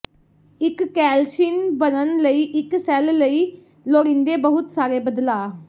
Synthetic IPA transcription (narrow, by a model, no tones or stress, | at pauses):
ɪkːɛːlʃinbənənləiːʔɪksɛːlləiː | loːɾĩnd̪eːbəɦʊt̪saːɾeːbəd̪laː